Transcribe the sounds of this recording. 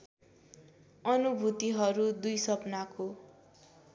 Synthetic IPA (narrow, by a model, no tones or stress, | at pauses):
ʌnubʱut̪iɦʌɾud̪ujsʌpnako